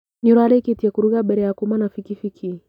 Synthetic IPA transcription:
ɲuɾaɾɛkitiɛkuɾuɣaɓɛɾɛakumanafikifikʰi

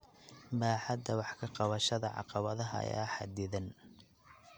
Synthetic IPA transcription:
baːħɑd̪ɐwɑħkʰɐqɑβɐʃɐðɐʕɑ̰qɑβɐðɐɦɐɐ̰ja̰ːħɑ̰d̪ɪðɐn

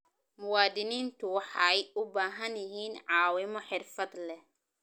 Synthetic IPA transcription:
mʊwaːd̪ɪniːnt̪ʰʊwɑħɑjʊbaːɦɐnjɪɦiːnʕɑːwɪmɔħɪrfɐd̪lɛ

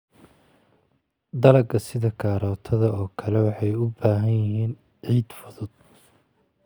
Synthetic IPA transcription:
d̪ɐlɐɡɐsɪðɐkʰaːɾɔːt̪ʰɐðɐɔːkʰɐlɛwɑħɑjʊbaːɦɐnjɪɦiːn | ʕiːd̪fʊðʊd̪̥̚

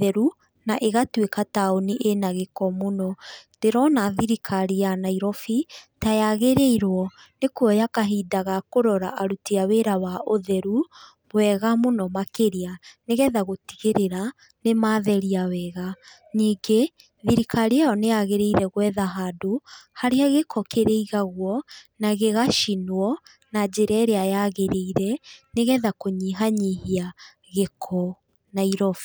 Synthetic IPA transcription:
ɛɾu | naʔeɣatwekataoniʔenaɣekɔmonɔd̥eɾɔnaðiɾikʰaɾianaiɾɔfitajaɣeɾeiɾwɔ | nekuɔjakaɦidaɣakoɾɔɾa̰ʔaɾutiaweɾawaʔoðɛɾu | wɛɣamonɔmakeɾianeɣɛðaɣotiɣeɾeɾa | nemaːðɛɾiawɛɣa | niːɡe | ðiɾikaɾiajɔneaɣeɾeiɾɛɣwɛðaɦadohaɾeaɣekʰɔkeɾeiɣaɣwɔnaɣeɣaʃinwɔ | nad͡ʑeɾɛɾeajaɣeɾeiɾɛneɣɛðakoɲiɦaɲihia | ɣekʰɔ | naiɾɔf

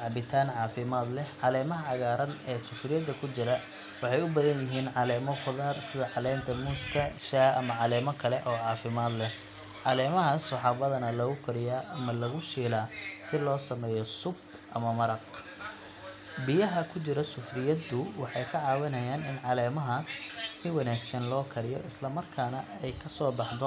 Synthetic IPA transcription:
ʕɑbɪt̪ʰaːnʕɑːfɪmaːd̪lɛhʕɑlɛːmɐɦɐʕɑɣaːɾɐnɛːsʊfrɪjɐd̪ːɐkʰʊt͡ʃɪɾɐ | wɑħɑjʊbɐðɐnjɪɦiːnʕɑlɛːmɔχʊðaːrsɪðɐʕɑlɛːnt̪ʰɐmuːskʰɐʃaːʔɐmɐʕɑlɛːmɔkʰɐlɛʔɔːʕɑːfɪmaːd̪lɛh | ʕɑlɛːmɐɦasːʊħɑːbɐðɐnɐlɐɣʊkʰɐɾɪjaːʔɐmɐlɐɣʊʃiːlaːsɪlɔːsɐmɛːjɔsʊb | ʔɐ̰mɐmɐɾɐq | bɪjɐɦɐkʰʊt͡ʃɪɾɐsʊfrɪjɐd̪ʊwɑħɑjkʰɐʕɑːwɪnɐjaːnɪnʕɑlɛːmɐɦaːssɪwɑnaːɡsɐnlɔːkʰɐɾɪjɔ̰ʔɪslɐmɐrkʰaːnɐɛjkʰɐsɔːbɑħd̪ɔ

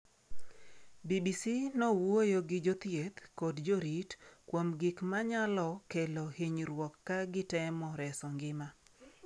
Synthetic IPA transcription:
bibisinowojoɡɪd͡ʒot̪jet̪kodd͡ʒoɾitkwomɡɪkmaɲalɔkelohiɲɾwɔkːaɡɪtɛmɔɾɛsɔŋɡɪma

